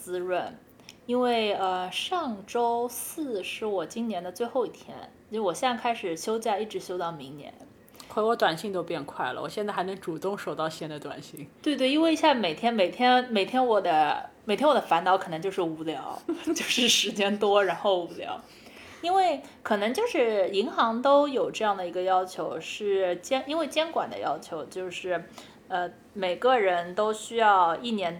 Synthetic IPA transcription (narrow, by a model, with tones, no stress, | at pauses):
t͡sɹ̩˥ɻwə˥˩n | i˥nwe˥˩ɪə˧ʂɑ˥˩ŋʈ͡ʂo˥ʊsɹ̩˥˩ʂɻ̩˧˥wɔ˨˩t͡ɕi˥nnjɛ˧˥nd̪ə˧t͡swe˥˧ɪxo˥˧ʊi˥˩t̪ʰjɛ̰˥n˥˩wɔ˨˩ɕɛ˥˩kʰa˥ɪʂɻ̩˨˩ɕjo˥ʊt͡ɕja˥˧i˥˩ʈ͡ʂɻ̩˧˥ɕjo˥ʊt̪ɑ˥˩ʊmi˧˥ŋnjɛ̰˧˥n | xʰwe˧˥wɔ˧˥t̪wa˨˩nɕi˥˧ŋt̪o˥ʊpjɛ˥˧nkʰwa˥˩ɪlə̰wɔ̰˨˩ɕjnt͡sa˥˩xa˧˥ɪ˧˥ŋʈ͡ʂu˨˩t̪ʊ˥˧ŋʂo˨˩ʊt̪ɑ˥˧ʊɕjɛ˥nd̪ə˧˩t̪wa̰˨˩nɕi˥˩ŋt̪we˥˧ɪt̪we˥˩ɪi˥nwe˥˧i˧˥ɕja˥˩me˨˩ɪt̪ʰjɛ˥nme˨˩ɪt̪ʰjɛ˥nme˨˩ɪt̪ʰjɛ˥nwɔ˨˩d̪ə˦mme˩ɪt̪ʰjɛ˥wɔ˨˩ə˦fa˧˥nt̪ɑ˧˥ʊkʰɤ˨˩nɤ˧˥ŋt͡ɕjo˥˧ʊʂɻ̩˥˩u˧˥ljɑ˧˥ʊt͡ɕjo˥˧ʊʂɻ̩˥˩ʂɻ̩˧˥t͡ɕjɛ˥nt̪wɔ˥ɻa˧˥nxo˥˩ʊu˧˥ljɑ̰˧˥ʊ | i˥nwe˥˩ɪkʰɤ˨˩nɤ˧˥ŋt͡ɕjo˥˧ʊʂɻ̩˥˩i˧˥ŋxɑ˧˥ŋt̪o˥ʊjo˨˩ʊʈ͡ʂɤ˥˧jɑ˥˩ŋd̪ə˩i˧˥ɡə˧jɑ˥ʊt͡ɕʰjo˧˥ʊʂɻ̩˥˩t͡ɕjɛ˥ni˥nwe˥˩ɪt͡ɕjɛ˥nkwa̰˨˩nd̪ə̰˦jɑ˥ʊt͡ɕʰjo˧˥ʊt͡ɕjo˥˧ʊʂɻ̩˥˩ | ə˧ | me˨˩ɪɡə˧ɻə˧˥nt̪o˥ʊɕy˥jɑ˥˧ʊi˥˩njɛ˧˥n